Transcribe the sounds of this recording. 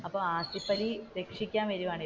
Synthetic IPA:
ɐpːoːaːsipːɐɾiɾekʂikʲːaːnʋɐɾumaːɳi

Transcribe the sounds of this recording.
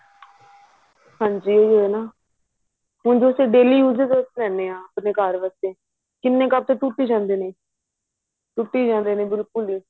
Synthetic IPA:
hãːɲd͡ʒiːoioːnaː | mʊ̃nd͡ʒoːseːɖeːliːjuːzəɾzəslɛːneːãːəpneːkaːɾʋəst̪eː | kɪnːeːkab̚t̪eːʈuːʈːiːd͡ʒãːnd̪eːneː | ʈuːʈːiːd͡ʒãːnd̪eːneːbɪlkʊliː

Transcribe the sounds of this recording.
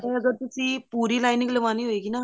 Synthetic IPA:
tẽəɡəɾt̪ʊsiːpuːɾiːlaːɪnɪŋɡləʋaːniːɦoekinaː

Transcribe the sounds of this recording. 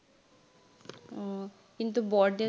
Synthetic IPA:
kĩnt̪̬ubɔːɾɖə

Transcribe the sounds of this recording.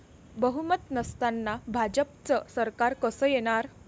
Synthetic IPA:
bəɦumət̪nəst̪anːabʱad͡ʑəp̚t͡səsəɾkaɾkəsəːjeɽ̃aɾ

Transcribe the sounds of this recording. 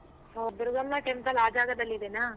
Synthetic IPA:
ɦob̪uɾuɡɐmnaʈemt̪ɐlaːd͡ʒaːɡɐd̪ɐlːid̪enaː

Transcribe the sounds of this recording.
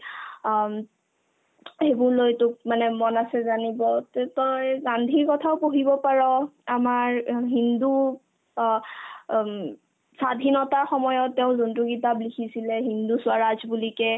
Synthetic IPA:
hebʊɹlojtʊk̚manɛmɔnasɛzanibɔttɔjɡandʱiɹkɔtʰaʊpoɦibɔpaɹɔamaɹɦindu | sadʱinɔtaɹxɔmɔjɔtːɛʊ̃zuntuɡitaplikʰisilɛɦindusʊaɹazbulikɛ

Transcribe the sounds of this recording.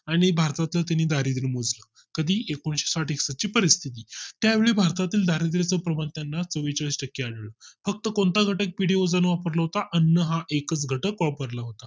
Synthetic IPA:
aɽ̃ibʱaɾt̪at̪lət̪aniːd̪ʱaɾid̪ɾimod͡zlə | kəd̪ʱiːʔekoɳɕe̥saʈiksat͡ɕiːpəɾist̪ʰit̪̬iːt̪jaʋeɭiːbʱaɾt̪at̪iːld̪ʱaɾid̪ɾet͡səpɾəmant̪janːat͡səʋit͡ɕəɭsʈəkːiaɽɭəfək̚t̪əkoɳt̪aɡʱəʈək̚piɽiod͡zənʋapəɾləɦot̪aʔənːəɦaʔekət͡sɡʱəʈəkʋapəɾlaɦot̪a

